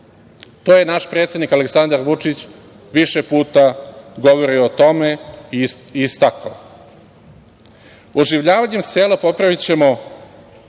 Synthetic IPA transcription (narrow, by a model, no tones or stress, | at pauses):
t̪oje̞naʃpɾe̞ːt̪sʲjed̪nikale̞ksand̪aɾʋut͡ʂit͡ɕ | ʋiʃepuːt̪aɡo̞ʋo̞ɾioot̪o̞me̞iist̪akao | oʒiʋʎaːʋaɲe̞mseːlapo̞pɾaʋit͡ɕe̞mo